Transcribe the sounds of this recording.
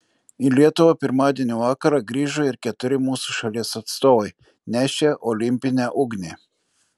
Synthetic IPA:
ilʲiɛt̪ʊʋɐpʲɪɾmɑːd̪ʲiɛnʲuːʋɑːkɐɾɑɡɾʲiːʒoɪɾkʲɛt̪ʊɾʲɪmuːsuʃɐlʲiɛsɐt̪st̪oːʋɐɪ | nʲæːʃʲeʔɔlʲɪmʲpʲɪnʲæːʔʊɡnʲeː

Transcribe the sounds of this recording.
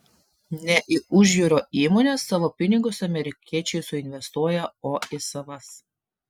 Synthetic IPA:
nʲɛʔɪʊʒʲjuːɾoːiːmoːnʲeːsːɑːʋoːpʲɪnʲɪɡʊsɐmʲɛɾʲɪkʲiɛt͡ʃʲɛɪsʊɪnʲʋʲɛst̪uɔjɛoːɪsɐʋɐs

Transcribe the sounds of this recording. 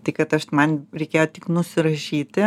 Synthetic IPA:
t̪ɐɪkɐt̪ɐʃmɐnɾʲɛɪkʲeːjot̪ʲɪknʊsʲɪɾɐʃʲiːt̪ʲɪ

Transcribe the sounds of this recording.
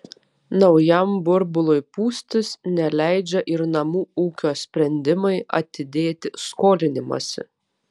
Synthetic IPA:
nɒʊjɛmbʊɾbʊlˠʊjpuːsʲt̪ʲɪsnʲɛlʲæɪd͡ʒʲɛʔɪɾnɐmuːuːkʲoːsʲpʲɾʲɛnʲd̪ʲɪmɐɪʔɐ̰t̪ʲɪd̪ʲeːt̪ʲɪskoːlʲɪnʲɪmo̰ːsʲɪ̰

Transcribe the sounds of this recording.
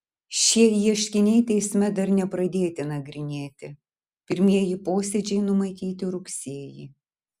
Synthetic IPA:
ʃʲiɛjiɛʃʲkʲɪnʲɛɪt̪ʲɛɪsʲmʲɛd̪ɐɾnʲɛpɾɐd̪ʲeːt̪ʲɪnɐɡɾʲɪnʲeːt̪ʲɪ | pʲɪɾʲmʲiɛjipoːsʲɛd͡ʒʲɛɪnʊmɐɪkʲiːt̪ʲɪɾʊksʲiɛji

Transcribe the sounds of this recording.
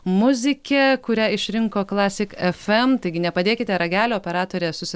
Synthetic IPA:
mʊzʲɪkʲɛkʊɾʲɛɪʃʲɾʲɪŋkoːklˠɑːsʲɪkɛfɛmt̪ɐɪɡʲɪnʲɛpɐd̪ʲeːkʲɪt̪ʲɛɾɐɡʲæːlʲoːoːpʲɛɾɑːt̪oːɾʲesʊsʲɪ

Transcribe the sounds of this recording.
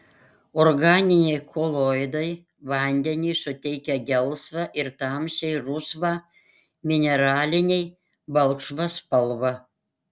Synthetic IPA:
ɔɾɡɑːnʲɪnʲɛɪkʰolˠojd̪ɐɪ | ʋɐnʲd̪ʲɛnʲɪɪsʊt̪ʲɛɪkʲɛɡʲɛlˠsʋɐʔɪɾt̪ɑːmʲʃʲɛɪɾʊsʋɑː | mʲɪnʲɛɾɑːlʲɪnʲɛɪ | bɐlˠkʃʋɐspɐlˠʋɐ

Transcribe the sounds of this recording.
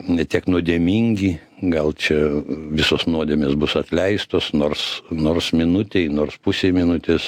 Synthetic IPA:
nʲɛt̪ʲiɛknʊd̪ʲiɛmʲiŋʲɡʲi | ɡɐlˠt͡ʃʲɛʋʲɪsoːsnuɔd̪ʲeːmʲeːsbʊsɐt̪ʲlʲɛɪst̪oːsnoːrsnoːrsmʲɪnʊt̪ʲɛɪnoːrspʊsʲeːmʲɪnʊt̪ʲes

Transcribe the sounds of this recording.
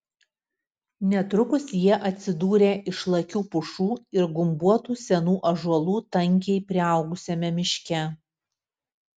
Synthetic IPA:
nʲɛt̪ɾʊkʊsjiɛʔɐt̪ʲsʲɪd̪uːɾʲeːʔɪʃlˠɐkʲuːpʊʃuːɪɾɡʊmbuɔt̪uːsʲɛnuːʔɐʒuɔlˠuːt̪ɐŋʲkʲɛɪpʲɾʲɪɐˑʊɡʊsʲɛmʲɛmʲɪʃʲkʲɛ

